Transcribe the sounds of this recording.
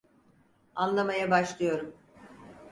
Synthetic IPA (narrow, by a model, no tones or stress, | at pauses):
anlˠamajabaʃlˠɯjo̞ɾum